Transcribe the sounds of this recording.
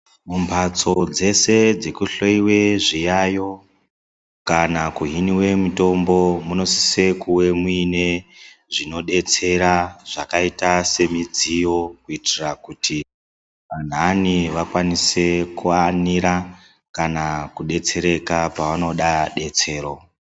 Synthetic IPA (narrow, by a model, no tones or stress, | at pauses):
mumbʰʱat͡so̞d͡ze̞se̞d͡ze̞kuɬoiwe̞ʐijajo̞ | kanakuɦiniwe̞muto̞mbo̞muno̞si̥se̞kuwe̞mwine̞ʐino̞ɗe̞t͡se̞ɾaʐ̥akaitase̞mid͡zijo̞kuitirakuti | ʋan̤aniʋakwanise̞kuaniɾa | kanakuɗe̞t͡se̞ɾe̞kapaʋano̞ɗaɗe̞t͡se̞ːro̞